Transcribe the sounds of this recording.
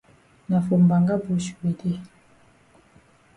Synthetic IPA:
na˨fo˨m˨ba˨ŋɡa˦bu˨˦ʃwe˨de˦˨

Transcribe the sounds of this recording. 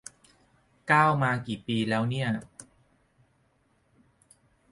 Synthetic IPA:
kaː˥˩wmaː˧kiː˨˩piː˧lɛː˦˥wni˥˩ɐ

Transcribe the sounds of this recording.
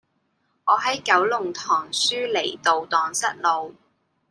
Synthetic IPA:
ɔː˨˧ɦɐ˨˥jkɐ˨˥wlʊ˨˩ŋt̪ʰɔː˨˩ŋsyː˥le˨˩jt̪o˨wt̪ɔː˨ŋsɐ˥t̚lo˨˧w

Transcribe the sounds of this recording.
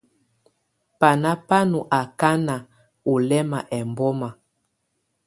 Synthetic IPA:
pa˨na˦pa˦nu˨ʔa˨ka˦na˨ | u˨lɛ˦ma˨ʔɛ˨mbɔ˦ma˨

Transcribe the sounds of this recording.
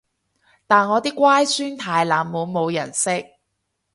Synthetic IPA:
t̪aː˨nŋɔː˨˧t̪iː˥kʷwaː˥jsyː˥nt̪ʰaː˨jlaː˨˩mmu˨˧wmo˨˧wjɐ̰˨˩nsɪ˥k̚

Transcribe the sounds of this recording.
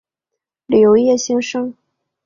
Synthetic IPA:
li˨˩jo˧˥ʊjɛ˥˩ɕɛ˥ŋʂɤ˥ŋ

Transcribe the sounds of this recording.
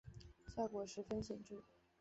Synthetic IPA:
ɕja˥˩kwɔ˧˥ʂɻ̩˧˥fə˥nɕjɛ˨˩nʈ͡ʂu˥˩

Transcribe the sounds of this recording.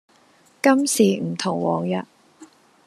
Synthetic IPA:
kɐ˥msiː˨˩m̩˨˩t̪ʰʊ˨˩ŋwɔ̰ː˨˩ŋjœ˨t̚

